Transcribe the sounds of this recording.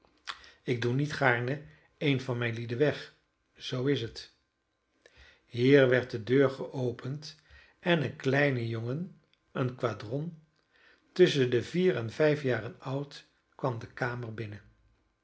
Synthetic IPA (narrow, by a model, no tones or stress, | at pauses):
ɪɡ̚dunitχaːɹnə | ejnvɑnmɛjnlidəʋɛχ | z̥owɪsət | ɦiːɹʋɛɹt̚dədøːɹχəʔowpʰənt | ʔɛnənklɛjnəjoŋən | ənkʋaːdrɔn | tɵsəndəviːrɛnvɛjfjaːrənʌwt | kʋɑmdəkaːməɹbɪnə